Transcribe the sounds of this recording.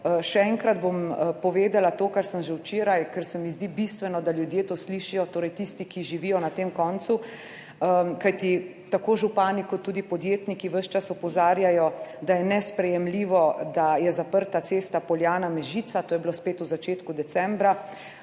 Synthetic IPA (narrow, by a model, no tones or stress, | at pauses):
ʃɛɛŋkɾad̪bompɔʋeːd̪alat̪oːkaɾsəmʒewt͡ʃeːɾajkɛɾsɛmizd̪ibist̪ʋɛnɔd̪aljud̪jeːt̪osliʃijɔt̪oːɾɛjt̪ist̪ikiʒiʋiːjɔnat̪emkɔnt̪su | kajt̪i | t̪akoːʒupaːnikɔt̪ːuːd̪ipɔd̪jeːt̪nikiʋəʃt͡ʃasɔpɔzaːɾjajɔd̪ajɛnɛspɾɛjɛmliːʋɔd̪ajɛzapəɾt̪aseːst̪apɔljaːnamɛʒit̪sat̪oːjɛbilospeːt̪uzat͡ʃeːt̪kud̪ɛt̪sɛmbɾa